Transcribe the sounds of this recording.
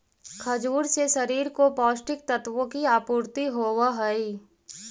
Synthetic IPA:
kʰɐd͡ʒuːɾseʃɐɾiːɾkopɔːsʈɪk̚t̪ət̪ʋõkiaːpuːɾt̪iɦoːwaɦɐi

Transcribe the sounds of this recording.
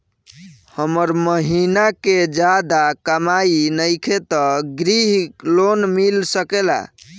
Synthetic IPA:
həməɾməɦinaked͡ʒad̪akəmainəjkʰet̪ɔɡɾiɦlonmilsəkela̰

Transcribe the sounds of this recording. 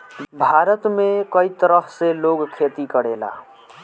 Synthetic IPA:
bʱaɾət̪mekəit̪əɾəɦseloɡkʰet̪ikəɽela̰

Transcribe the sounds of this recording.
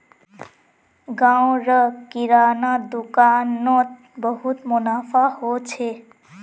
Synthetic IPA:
ɡaw̃ɾʌkiɾanad̪ukanːot̪̚ | bʌɦut̪munapʰahot͡sʰe

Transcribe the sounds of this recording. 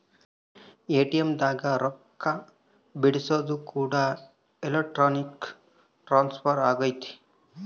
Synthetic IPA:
eːʈijemd̪aɡaɾɔkʰːa | biɽisɔd̪ukuɽa | elek̚ʈɾɔnik | ʈɾanspʰɔɾaːɡʌjt̪ʰi̥

